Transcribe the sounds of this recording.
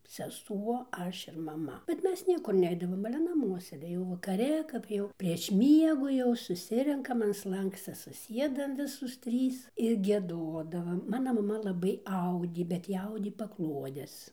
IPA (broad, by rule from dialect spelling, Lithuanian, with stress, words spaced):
sʲɛˈsuɔ ˈɐʃ ɪr mɐˈmɐ bʲɛt ˈmʲɛs ˈnʲiɛkʊr ˈnʲɛɪdɐʋoːm ɐlʲɛ ˈnɑːmuɔs sʲeːˈdʲeːjɛʊ ʋɐkɐˈrʲɛ kɐp ˈjɛʊ pʲrʲiɛʃ ˈmʲiɛɡʊ jɛʊ sʊˈsʲɪrʲɛŋkɐm ɐn ˈslˠɐŋksʲt͡sʲɛ sʊˈsʲiɛdɐm ˈʋʲɪsoːs ˈtʲrʲiːs ɪr ɡʲiɛˈdoːdɐʋɐm ˈmɑːnɐ mɐˈmɐ lˠɐˈbɐɪ ˈɐʊdʲeː bʲɛt ˈjɪ ˈɐʊdʲeː pɐˈklˠuɔdʲɛs